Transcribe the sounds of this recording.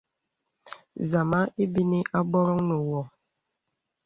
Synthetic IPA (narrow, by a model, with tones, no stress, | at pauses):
za˨ma˦ʔe˦bi˦ni˦ʔa˦bɔ˦ɾɔ˦ŋnə˨wɔ˨